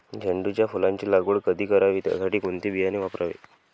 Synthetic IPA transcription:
d͡ʑʱeɳɖut͡ɕjafulãɲt͡ɕiːlaɡuɽkəd̪ʱiːkəɾaʋiːt̪ja̰saʈiːkunt̪iːbijaniʋapɾaʋḛ

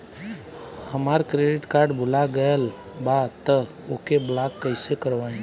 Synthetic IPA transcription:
həmaːɾkɾeɖɪʈkaːɾɖbʱʊlaɡəəl | bat̪ə | okeblaːkːəɪsekəɾʋaːĩ

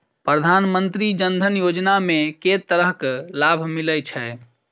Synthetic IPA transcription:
pɾəd̪ʱanmənt̪ɾid͡ʒənd̪ʱənjod͡ʒnameket̪əɾəɦklabʱmilət͡ʃʰɛ

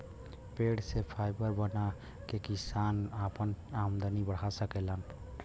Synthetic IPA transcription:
peɽsepʰaɪbəɾbəna | kekisanapənamd̪ənibəɽ̤asəkelən

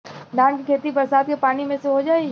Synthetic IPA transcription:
d̪ʱãːnkikʰeːt̪ibɐɾsaːd̪̚kʰepaːɽ̃imẽseɦod͡ʒaːe

